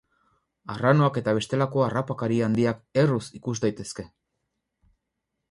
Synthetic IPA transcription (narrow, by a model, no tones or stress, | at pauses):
arano̞ake̞t̪aβ̞e̞st̪e̞lako̞arapakaɾiand̪iake̞rusikuzd̪ajt̪e̞ske̞